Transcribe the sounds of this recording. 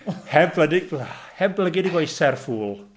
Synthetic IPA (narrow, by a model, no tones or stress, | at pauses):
hɛbblədɪɡ̚hɛbbləɡɪdiɡwojsɛrfuːlˠ